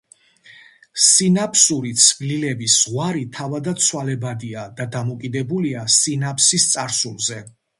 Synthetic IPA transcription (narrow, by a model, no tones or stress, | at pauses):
sinapʰsuɾit̪sʰvlilɛbisʁwaɾit̪ʰavad̪at̪sʰwalɛbad̪iad̪ad̪amɔkʼid̪ɛbuliasinapʰsist̪sʼaɾsulˠzɛ